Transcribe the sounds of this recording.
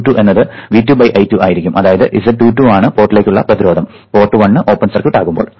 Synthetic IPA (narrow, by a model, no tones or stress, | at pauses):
ʈːuʔe̞nːɐðɨʋitːjubɐjʔɐjtːuʔaːjiɾikʲːumʔɐðaːjɐðɨʔisɐʈuːtːuaːɳɨpo̞ːrʈːilekʲːuɭːɐ̰prɐt̪iɾoːd̪ɐm | po̞ːrʈːɨʋɐɳːɨʔo̞ːpːɐnsɐrkːuʈːaːɣumbo̞ːɭ